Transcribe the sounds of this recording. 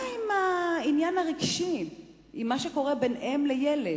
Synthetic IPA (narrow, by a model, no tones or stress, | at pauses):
imainjanaʁiɡʃi | imːaʃeko̞ʁe̞be̞nʔemlejele